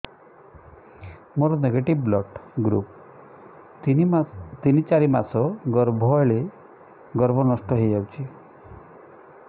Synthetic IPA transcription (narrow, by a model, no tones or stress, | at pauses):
moɾɔneɡeʈibːlɔʈɡɾṵp̚ | t̪init͡ʃaɾimasɔɡɔɾbʱɔɭe | ɡɔɾbʱɔnɔʂʈɔɦejd͡ʒawt͡ʃʰi